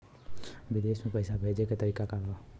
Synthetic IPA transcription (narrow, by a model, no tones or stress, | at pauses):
ʋɪd̪eːsmẽpəɪsabʱeːd͡ʒeket̪əɾiːkakaɾaː